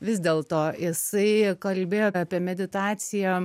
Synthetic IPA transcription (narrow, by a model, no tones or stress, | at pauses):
ʋʲɪzʲd̪ʲeːlˠt̪oːjɪsɐɪkɐlʲbʲeːjoːɑːpʲiɛmʲɛd̪ʲɪt̪ɑːt̪t͡s̪ʲɪjɛ